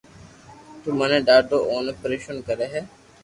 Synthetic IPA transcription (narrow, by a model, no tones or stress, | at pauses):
t̪umɐnẽːɖaːɾɖoːʔoːnopɾeːʃənkəɾeːɦɛː